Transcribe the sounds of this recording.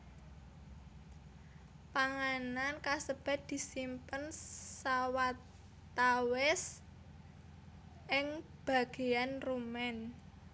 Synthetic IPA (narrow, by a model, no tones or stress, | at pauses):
paŋanankasəb̥a̤t̪̚d̪̥i̤simpənsawat̪ | awɛs | ʔɪŋ | b̥a̤ɡ̥e̤anrumɛn